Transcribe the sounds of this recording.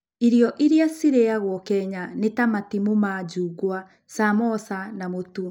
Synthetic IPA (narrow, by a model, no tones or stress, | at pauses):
iɾjɔʔiɾjasiɾeaɣwɔkɛɲanetamatimomad͡ʒuːɡwa | samɔsanamotu